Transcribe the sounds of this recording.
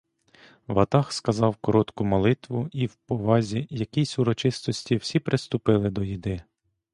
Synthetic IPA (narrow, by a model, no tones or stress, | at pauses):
ʋɐt̪ɑxskɐzɑwkɔɾɔt̪kʊmɔlˠɪt̪ʋʊiwpɔʋɑzʲijɐkʲijsʲʊɾɔt͡ʃɪst̪ɔsʲtʲiwsʲipɾɪst̪ʊpɪlˠɪd̪ɔjid̪ɪ